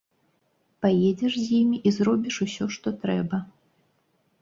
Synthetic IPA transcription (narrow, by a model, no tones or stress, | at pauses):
pajed͡zʲɛʂzʲjimʲiʔizɾɔbʲiʂusʲɔʂt̪ɔt̪ɾɛbɐ